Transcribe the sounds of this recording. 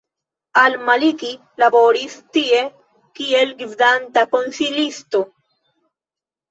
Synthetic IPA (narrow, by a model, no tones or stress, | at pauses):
almaliki | labo̞ɾistie̞ | kie̞lɡivdantako̞nsilisto̞